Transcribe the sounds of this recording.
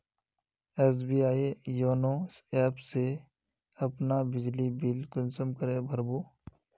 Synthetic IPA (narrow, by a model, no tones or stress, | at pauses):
eːs̬biːaːijoːnoːseːpse | ɐpnabɪd͡ʒlibiːlkʊnsəmkəɾẽːbʱəɾbuː